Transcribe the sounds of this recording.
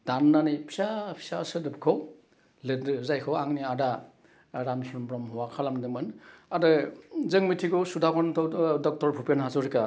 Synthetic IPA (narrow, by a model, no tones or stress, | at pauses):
d̥anːanipʰisapʰi̥sasɯdɯpkʰɔw | lɯzajkʰɯwaŋniada | ɾamsmbɾɔmhɔwakʰalamdɯmɯnadɯzɯŋmitʰiɡɔsudakʰɔntʰɔwdɔk̚tɔɾpʰupijanɦazɔɾika